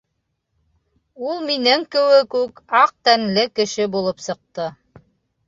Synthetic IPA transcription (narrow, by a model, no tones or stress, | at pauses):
ulˠminɘŋkɘ̆wɘkʉkɑq̚t̪ænlɘkɘ̆ʃɘbulˠɤpsɤ̆q̚t̪ɤ